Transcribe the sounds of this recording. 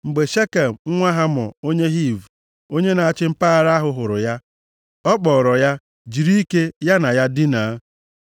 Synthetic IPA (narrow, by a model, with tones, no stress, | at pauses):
ŋ͡m̩˨ɡ͡be˨ʃe˦ka˨m̩˨ŋ̩˦ŋʷa˦ɦa˦mɔ̰˨o˦ɲe˦ɦi˦˨vu˨ | o˦ɲe˦na˨a˦˨t͡ʃɪ˦m̩˦paː˦a˨ɾa˦ɦʊ˦ɦʊ˨ɾʊ˨ja˦ | ɔ˦k͡pɔː˨ɾɔ˨ja˦ | d͡ʒi˨ɾi˦i˦ke˦ja˦na˨ja˦di˦na˨˦